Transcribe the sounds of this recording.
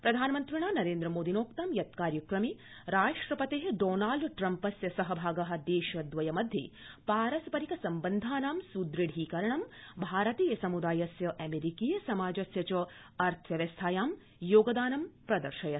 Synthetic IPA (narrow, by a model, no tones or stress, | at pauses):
pɾɐd̪ʱaːnɐmɐnt̪ɾiɳaːnɐɾeːnd̪ɾɐmoːd̪inoːkt̪ɐmjɐt̪̚kaːɾjɐkɾɐmi | ɾaːʂʈɾɐpɐt̪eːɦɖoːnaːlɖʈɾɐmpɐsjɐsɐɦɐbʱaːɡɐɦɐ̆d̪eːʃɐd̪ʋɐjɐmɐd̪ʱjḛːpaːɾɐsɐpɐɾikɐsɐmbɐnd̪ʱaːnaːmsud̪ɾiɽɦiːkɐɾɐɳɐmbʱaːɾɐt̪iːjɐsɐmud̪aːjɐsjɐʔɐmeɾikiːjɐsɐmaːd͡ʒɐsjɐt͡ʃɐ | ɐɾt̪ʰʋjɐʋjɐst̪ʰaːjaːm | joːɡɐd̪aːnɐmpɾɐd̪ɐɾʃɐjɐ